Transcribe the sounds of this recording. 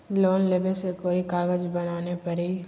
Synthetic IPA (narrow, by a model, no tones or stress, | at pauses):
loːnlebəlsekoːikaːɡəd͡ʒbɐnaːnepɐɾiː